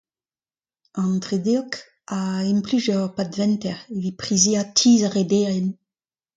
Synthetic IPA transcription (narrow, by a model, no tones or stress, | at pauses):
ɑ̃nt̪ʁed̪eɔk | ainplyzœʁpad̪vɛ̃nt̪ɛʁevipχizeat̪ʰiːzaʁed̪eɛn